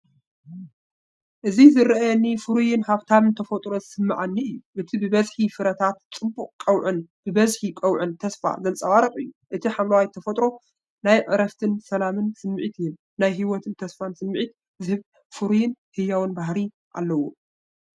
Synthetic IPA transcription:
ʔɨzizɨɾʔɐnifɨɾujɪnhaβt̪ʰaβɨnt̪ʰɐfɐt̪ʼɾo̞zɨsɨmːa̰ʕanːiʔɨjːuʔɨt̪ʰibɨbɐzħifɨɾɐt̪ʰat̪̚t͡sʼɨbuqʼkʼɐwʕɨnb̥ɨbɐzħikʼɐwʕɨnt̪ʰɐsfa̰zɐnt͡sʼɐwaɾɐχʼɨjːuʔɨt̪ʰiħamlɐwajt̪ʰɐfɐt̪ʼɾo̞ | najʕɨɾɐft̪ʰɨnsɐlamɨnsɨmːɨʕit̪ʰɪjɪm | najɦiwɔt̪ʰɨnt̪ʰɐsfansɨmːɨʕit̪̚ | zɨhɨβ | fɨɾujɪnhɨjːawɨnbaɦɾi | ʔa̰lːɐwu

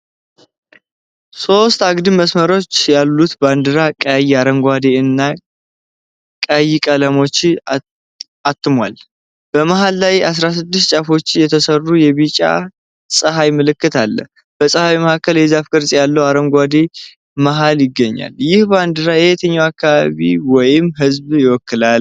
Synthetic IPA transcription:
so̞st̪aɡd̪ɨməsməɾo̞t͡ʃːjalːut̪band̪ɨɾakʼjiaɾəmɡʷad̪eɨnːa | kʼajikʼələmo̞t͡ʃː | at̪ːɨmwa̰l | b̥əmaɦalːajas̬ɾas̬ɨd̪ːɨst̪̚t͡ʃʼafo̞t͡ʃːɪjɛt̪ʰəsərːujɛβit͡ʃʼa̰ | sʼəɦajmɨlɨkːɨt̪ʰalːə̰h | b̥əsʼəhawiməhakːəljɛzafkʼɨɾsʼjalːəwaɾəŋɡʷad̪e | maɦaljɪɡːəɲːa̰ljɪhband̪ɨɾajɛhet̪ʰəɲːawakːaβaβiwɔjɪmɦɨzbjɪwɔkːɨlal

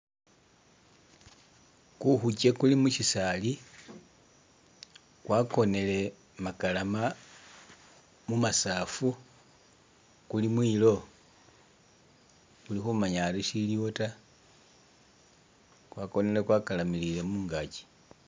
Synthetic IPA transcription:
kuxuce̞kulimuʃisali | kwako̞ne̞le̞ | makalama | mumasaːfu | kulimwiːlo̞ | kulixumaɲaɾiʃiljota | kwako̞nele̞kwakalamilile̞muːŋɡaci̥

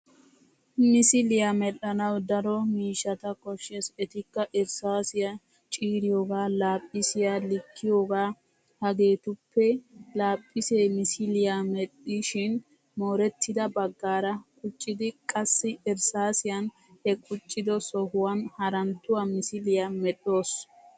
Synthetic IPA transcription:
mɪsɪlɪjamɛɗːɐnɐwd̪ɐɾɔmiːʃːɐt̪ɐkʼɔʃːɛsɛt̪ɪkːɐʔɛɾsaːsɪjɐ | t͡ʃʼiːɾɪjoːɡaːlaːpʼːɪsɪjalɪkʰːɪjoːɡaː | hɐɡe̞ːt̪ʊpːɛlaːpʼːɪseːmɪsɪlɪjaːmɛɗiʃɪn | mo̞ːɾɛt̪ːɪd̪ɐbɐɡːaːɾɐkʼʊt͡ʃʼːɪd̪ɪkʼɐsːɪɛɾsaːsɪjɐn | hɛkʼʊt͡ʃʼːɪd̪ɔsɔhʊwɐnhɐɾɐnt̪ːʊwɐmɪsɪlɪjɐmɛɗːo̞ːs

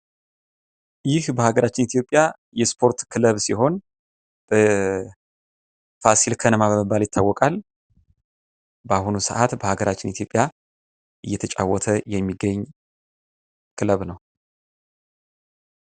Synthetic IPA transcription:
jɪhbəhaɡəɾat͡ʃːɪnit̪ʰjo̞pʼːja | jɛspʰo̞ɾt̪kʰɨləβsiɦo̞n | b̥ə | fasilkʰənəmaβəməbːaljɪt̪ʰːawːɔkʼal | bəahunusəʔat̪bəhaɡəɾat͡ʃːɪnit̪ʰjo̞pʼja | ʔɨjːɛt̪ʰət͡ʃʼa̰wːɔt̪ʰəjɛmːiɡːəɲː | kʰɨləβnəw

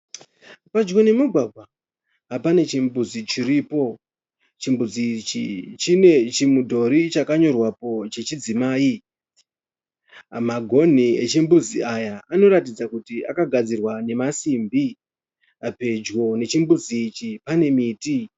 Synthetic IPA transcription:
pad͡ʒɡo̞ne̞muɡʱwaɡʱwa | ɦapane̞t͡ʃimbuzit͡ʃiriːpo̞ | t͡ʃimbud͡zit͡ʃit͡ʃine̞t͡ʃimudʱo̞ɾit͡ʃakaɲo̞rwapo̞t͡ʃet͡ʃid͡zimaːi | maɡʱo̞n̤iḛt͡ʃimbud͡ziajaano̞ɾatid͡zakutia̰kaɡʱad͡zirwane̞masimbi | pe̞d͡ʒɡo̞ne̞t͡ʃimbuziːt͡ʃipane̞miːti

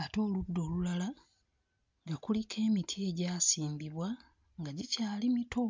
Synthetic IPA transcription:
ato̞ːludːo̞ːlulala | ŋɡakulikʰe̞ːmitʰie̞ɟaːsiːmbiβwa | ŋɡaɟicaːlimito

